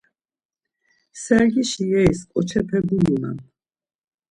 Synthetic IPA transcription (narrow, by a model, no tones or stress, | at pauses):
sɛɾɡiʃiɛiskʼɔt͡ʃʰɛpʰɛɡuluna̰m